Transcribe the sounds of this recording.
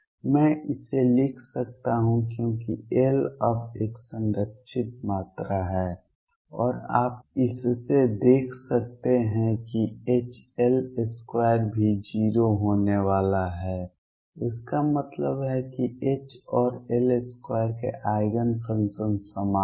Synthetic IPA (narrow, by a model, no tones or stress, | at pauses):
mɛ̃ːʔɪselɪkʰsək̚t̪aɦũkjõːkḭelɐbeːksə̃nɾəkʃʰɪt̪̚maːt̪ɾaɦɛː | ɔːɾa̰ːp̚ɪssed̪eːkʰsək̚t̪eɦɛ̃kieːt͡ʃɛleskwaːjəɾbʱid͡ʒiːɾoɦoːneʋaːlaɦɛː | ʊskamət̪ləbɦɛkieːt͡ʃɔːɾeleskwaːjəɾkḛʔaːɪɡənsə̃nsənsəmaː